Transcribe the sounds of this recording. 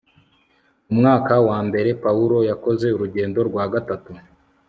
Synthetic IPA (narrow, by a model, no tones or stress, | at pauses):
umŋaːkawaːmbe̞ɾe̞pauɾo̞jako̞ze̞uɾuɟe̞ːndo̞ɾɡwaːɡatatu